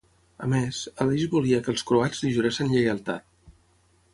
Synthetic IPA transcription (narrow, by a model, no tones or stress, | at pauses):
ə̰mezəliʒbuliəkəlˠskɾuazðiʒəɾesənʎəjəlˠt̪a̰t̪̚